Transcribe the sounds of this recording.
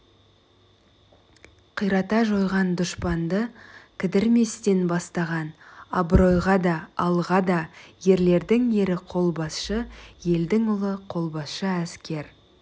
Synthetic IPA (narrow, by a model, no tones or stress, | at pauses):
qʰijɾɑt̪ɑʒo̞jʁɑnd̪ʊʃpɑnd̪əkʲʰɪd̪ɪɾme̞st̪e̞nbɑst̪ɑʁɑnɑ̰bro̞jʁɑd̪ɑːlˠʁɑd̪ɑje̞ɾle̞ɾd̪ɪŋje̞ɾɪqʰo̞lˠbɑsʃəje̞ld̪ɪŋʊlˠəqʰo̞lˠbɑsʃəæskʲe̞ɾ